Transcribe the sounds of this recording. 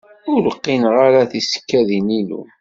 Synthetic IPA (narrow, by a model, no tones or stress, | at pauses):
ʊləqːinʁaɾaθisə̥kːæðinilṵ